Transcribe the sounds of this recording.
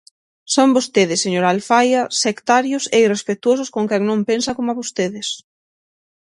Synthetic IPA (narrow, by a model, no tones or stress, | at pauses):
sõŋbost̪eðɪsːeɲoɾalfajɐsekt̪aɾjʊseirespet̪uosʊskõŋkɛŋnõmpensɐkomaβost̪eðɪs